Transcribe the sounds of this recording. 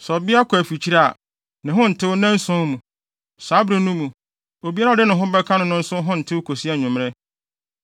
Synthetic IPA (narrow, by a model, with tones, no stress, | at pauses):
sɔ˨bɪ˦a˦kʰɔ˨æ˨fi˨t͡ɕʰi˦ɾa˦a̰˨ | nɪ̃˨ɦʊ̃˦n̩˨tʰɪ˦nɛ̃˦n̩˦sʊ̃˦mũ˨ | sa˨˦bɾe˦nũ˦mũ˨ | o˨bi˦a˦ɾa˦˨dɪ˦nʊ̃˨ɦʊ̃˦bɛ˦kʰã˦nʊ̃˦nʊ̃˦n̩˦sʊ̃˦ɦʊ̃˦n̩˨tʰɪ˦wo˦kʰo˨si˦a˨ɲʊ̃˨m˦ɛ˦